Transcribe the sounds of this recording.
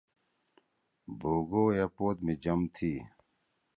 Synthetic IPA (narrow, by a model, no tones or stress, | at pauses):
boːɡoːjɐpoːt̪mid͡ʑɐmt̪ʰiː